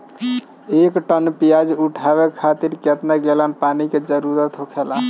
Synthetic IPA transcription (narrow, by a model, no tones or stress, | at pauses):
ekʈənpijad͡ʒuʈʰaβekʰat̪iɾket̪naɡelənpaniked͡ʒəɾuɾət̪ɦokʰela